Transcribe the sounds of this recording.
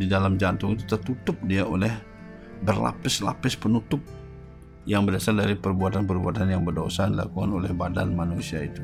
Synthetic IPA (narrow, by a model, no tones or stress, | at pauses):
didalamd͡ʒant̪ʊŋit̪ut̪ərt̪ut̪ʊp̚diaʔolɛh | bərla̰pɪsla̰pɪspənut̪ʊp̚ | jaŋbərdasaldaɾipərbuat̪anpərbuat̪anjaŋbərdosaanila̰kuŋanolɛhbada̰nmanusiait̪u